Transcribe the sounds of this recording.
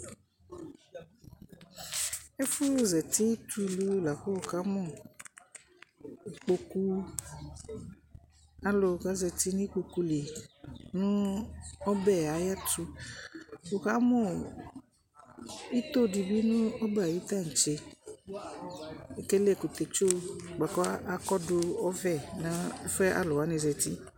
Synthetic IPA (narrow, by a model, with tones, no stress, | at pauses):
e˦fu˦zɛ˨ti˦tʰu˦lu˦la˨ɸo˦o˨ka˨˦mɔ˦˨ | k͡po˧ku˦ | a˦lo˨ka˦zɛ˨ti˦nĩ˦k͡po˨ku˨˦li˨nʊ̃˦ɔ˦bɛ˦˨a˨˦ja˦tu˧ | wo˨ka˨˦mɔ˦˨ | i˦t̪o˦˨di˧bi˦nʊ̃˦ɔ˦ba˨wi˦t̪a˦˨n̩˨t͡ʃe˧˨ | ke˦le˦˨ku˨t̪e˨t͡ʃo˦˨ɡ͡ba˨kɔ˦a˨kɔ˦dʊ˧ɔ˦vɛ˦˨nã˨˦fɛ˦ʔa̰˦lʊ˨a˨˦ne˨˧zɛ˧ti˦